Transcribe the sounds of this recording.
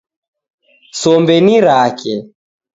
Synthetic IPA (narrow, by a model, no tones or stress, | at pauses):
sɔmbɛniɾakɛ